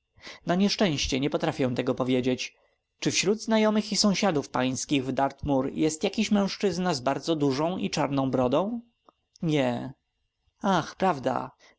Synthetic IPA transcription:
naɲɛʂt͡ʂɛ̃w̃ɕt͡ɕɛɲɛpɔt̪ɾafʲjɛ̃w̃t̪ɛɡɔpɔvʲjed͡ʑet͡ɕ | t͡ʂɘfɕɾud̪znajɔmɘxisɔ̃w̃ɕad̪ufpaj̃skʲiɣvd̪aɾt̪muɾjɛst̪jakʲiɕmɛ̃w̃ʂt͡ʂɘznazbaɾd̪zɔd̪uʐɔ̃w̃it͡ʂaɾnɔ̃w̃bɾɔd̪ɔ̃w̃ | ɲɛ | axpɾavd̪a̰

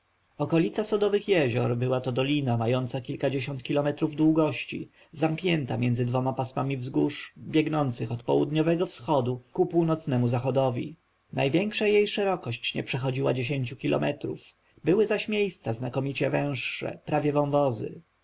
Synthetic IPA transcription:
ɔkɔlʲit̪sasɔd̪ɔvɘxjɛʑɔɾbɘwat̪ɔd̪ɔlʲinamajɔnt̪sakʲilkad͡ʑeɕɔnt̪̚kʲilɔmɛt̪ɾuvd̪wuɡɔɕt͡ɕḭ | zamkɲɛnt̪amʲjɛnzɘd̪vɔmapasmamʲivzɡuʂbʲjɛɡnɔnt̪sɘxɔt̪pɔwud̪ɲɔvɛɡɔfsxɔd̪ukupuwnɔt̪snɛmuzaxɔd̪ɔvʲḭ | najvʲjɛŋkʂajejʂɛɾɔkɔɕt͡ɕɲɛ̰pʂɛxɔd͡ʑiwa̰d͡ʑeɕeɲt͡ɕukʲilɔ̰mɛt̪ɾṵf | bɘwɘzaɕmʲjejst̪saznakɔmʲit͡ɕɛvɛ̃w̃ʂːɛ̰pɾavʲjɛvɔ̃w̃vɔzɘ̰

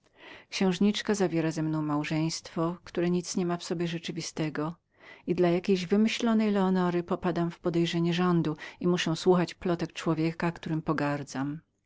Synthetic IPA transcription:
kɕɛ̃w̃ʐɲit͡ʂkazavʲjɛɾazɛmnɔ̃w̃mawʐɛj̃st̪fɔkt̪uɾɛɲit̪sɲɛmafsɔbʲjɛʐɛt͡ʂɘvʲist̪ɛɡɔ | id̪lajakʲejʑvɘmɘɕlɔnɛjlɛɔnɔɾɘpɔpad̪amfpɔd̪ɛjʐɛɲɛʐɔnd̪uimuʂɛw̃swuxat͡ɕplɔt̪ɛk̚t͡ʂwɔvʲjɛkakt̪uɾɘmpɔɡaɾd̪zam

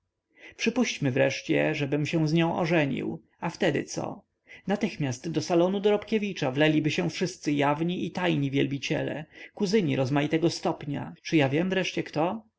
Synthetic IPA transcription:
pʂɘpuɕt͡ɕmɘvɾɛʂt͡ɕɛ̰ʐɛbɘmɕɛ̃w̃zɲɔ̃w̃ʔɔ̰ʐɛɲḭw | aft̪ɛd̪ɘ̰t̪sɔ̰ | nat̪ɘxmʲjast̪d̪ɔsalɔnud̪ɔɾɔpkʲevʲit͡ʂavlɛlʲibɘɕɛ̃fʂɘst̪sɘjavɲiʔit̪ajɲivʲjɛlbʲit͡ɕɛ̰lɛ̰kuzɘɲḭɾɔzmajit̪ɛɡɔst̪ɔpɲa̰t͡ʂɘjavʲjɛmvɾɛʂt͡ɕɛkt̪ɔ

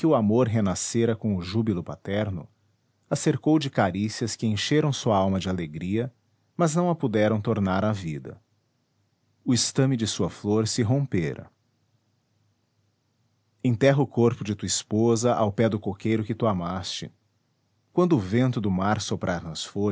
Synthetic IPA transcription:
kɪʊamoɾɦenaseɾɐkõʊʒubilʊpat̪ɛɾnʊ̰ | aseɾkowd͡ʒɪkaɾisiɐskɪẽj̃ʃeɾɐ̃w̃suɐawmɐd͡ʒɪaleɡɾiɐ | mɐznɐ̃w̃ɐpud̪ɛɾɐ̃w̃t̪oɾnaɾavid̪ɐ̰ | ʊɪst̪ɐ̃mɪd͡ʒɪsuɐfloɾsɪɦõpeɾɐ̰ | ẽt̪ɛɦɐʊkoɾpʊd͡ʒɪt̪uɐispozɐʔawpɛd̪ʊkokejɾʊkɪt̪uamast͡ʃɪ̰ | kwɐ̃nd̪ʊːvẽnt̪ʊd̪ʊmaɾsopɾʔaɾnɐsfo

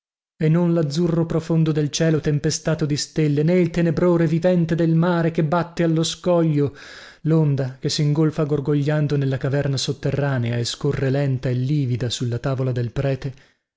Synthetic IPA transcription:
enːonlad̪zːurːopɾofond̪od̪elt͡ʃɛːlot̪empest̪aːt̪od̪ist̪elːeneilt̪enebɾoːɾevivɛnt̪ed̪elmaːɾekebːat̪ːealːoskɔʎːo | lond̪akesːiŋɡolfaɡorɡoʎːand̪onelːakavɛrnasot̪ːerːaːneaeskorːelɛnt̪aelːiːvid̪asulːat̪aːvolad̪elpɾɛːt̪e

